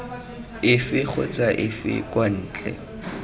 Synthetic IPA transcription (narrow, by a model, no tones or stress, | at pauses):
ɪfɪk͡xʰʊt͡sʼaʔɪfɪ̰kʼwan̩ːt͡ɬʼɛ̰